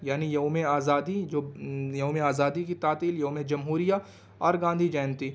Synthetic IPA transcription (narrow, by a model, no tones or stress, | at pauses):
jaːnijɐũmẽaːzaːd̪id͡ʒoːjɐɦũmẽaːzaːd̪ikit̪aːt̪iːljɐɦũmẽd͡ʒɐmɦuːɾija | ɔːɾɡãːnd̪ʱid͡ʒɛːnt̪iː